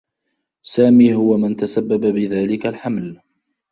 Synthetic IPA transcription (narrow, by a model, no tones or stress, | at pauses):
saːmiːɦʊwamant̪asabːababɪðaːlɪkalħaml